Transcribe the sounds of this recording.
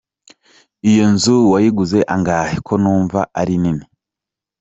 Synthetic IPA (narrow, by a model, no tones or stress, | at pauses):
ijonzuwajiɡuze̞ʔaŋɡaːhekʰo̞nuːɱvaaɾinini